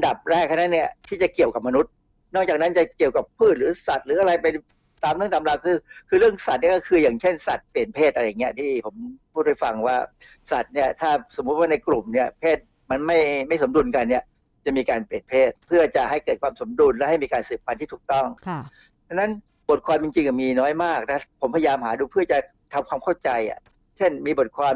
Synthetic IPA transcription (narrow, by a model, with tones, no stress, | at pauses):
a˧nda˨˩p̚ɾɛː˥˩k̚ʰa˥˩na˦˥ni˥˩ɐt̪ʰiː˥˩t͡ɕa˨˩ki˨˩əwka˨˩p̚ma˧nu˦˥t̪̚ | nɔː˥˩kt͡ɕaː˨˩k̚na˦˥nt͡ɕa˨˩ki˨˩əwka˨˩pʰːuː˥˩t̪̚ɾɯː˨˦sa˨˩t̪̚ɾɯː˩˦˥ʔa˧ɾa˧jpe˧n | t̪aː˧mlɯ˥˩ŋt̪a˨˩mɾaː˧˩wkʰɯː˧kʰɯː˧ɾɯ˥˩əŋsa˨˩t̪̚ni˥˩kɔ˥˩kʰɯː˧jaː˨˩ŋt͡ɕʰe˥˩nsa˨˩t̪̚pli˨˩ənpʰeː˥˩t̪̚a˧ɾa˧ja˨˩ŋi˦˥ɐt̪ʰiː˥˩pʰo˩˦mpʰuː˥˩ha˥˩jfa˧ŋwaː˥˩ | sa˨˩t̪̚ni˥˩ɐt̪ʰaː˥˩so˩˦mːu˦˥waː˥˩na˧jkɾu˨˩mni˥˩ɐpʰeː˥˩t̪̚ | ma˧nma˥˩jma˥˩jso˩˦mdu˧nka˧nːi˥˩ɐ | t͡ɕa˨˩miː˧kaː˧npli˨˩ənpʰeː˥˩t̪̚pʰɯ˥˩ɐt͡ɕa˨˩ha˥˩jkɤː˨˩t̪̚kʰwaː˧mso˩˦mdu˧nlɛ˦˥ha˥˩jmiː˧kaː˧nsɯː˨˩pʰːa˧nt̪ʰiː˥˩uː˨˩k̚t̪ɔ˥˩ŋʰ | t͡ɕʰa˧˥na˦˥n | bo˨˩t̪̚kʰwaː˧mt͡ɕi˧ŋt͡ɕi˧ŋka˨˩miː˧nɔː˦˥jmaː˥˩k̚t̪ɛ˧˥˩pʰo˩˦mpʰa˧jaː˧mhaː˩˦duː˧pʰɯ˥˩ɐt͡ɕa˨˩ | t̪ʰa˧mkwaː˧mkʰa˥˩wt͡ɕa˧jʔa̰˨˩ | t͡ɕʰe˥˩nmiː˧bo˨˩t̪̚kʰwaː˧m